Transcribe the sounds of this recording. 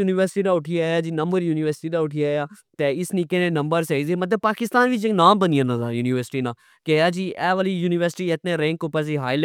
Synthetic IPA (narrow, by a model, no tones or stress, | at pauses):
juːniʋəɾsɪ̥ʈiːnãːʊʈʰijaːjaːd͡ʒiːnəmbəɾjuːniːʋəɾsɪ̥ʈiːd̪aːʊʈʰijaːjaː | t̪eːɪsniːkenẽːnəmbəɾseizeːmət̪̬ləb̚paːkɪst̪aːnʋɪt͡ʃeknaːmbənijãnãd̪aːjuːnɪːʋəɾsɪ̥ʈiːnãː | kejaːd͡ʒiːʔɛːʋaːlijuːnɪʋəɾsɪʈiːɪt̪nẽːɾɛ̃ŋkopːəɾs̬iːɦaːɪl